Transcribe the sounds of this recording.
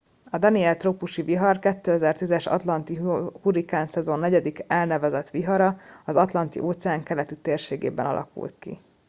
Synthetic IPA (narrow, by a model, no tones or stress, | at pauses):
ɒd̪ɒniɛlt̪ropuʃiviɦɒrkɛt̪ːøːɛzɛrt̪izɛʃɒ̰t̪lɒnt̪ihuɾikaːnsɛzo̞nːɛɟɛd̪ikɛlnɛvɛzɛt̪ʋiɦɒɾɒɒzɒt̪lɒnt̪ḭʔoːt̪sɛaːŋkɛlɛt̪it̪eːrʃeːɡḛːbɛ̰nɒ̰lʔɒ̰kṵlt̪kḭ